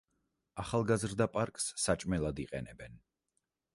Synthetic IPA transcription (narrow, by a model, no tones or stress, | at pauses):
aχalˠɡazɾd̪apʼaɾkʼsːat͡ʃʼmɛlˠad̪iqʼɛnɛbɛn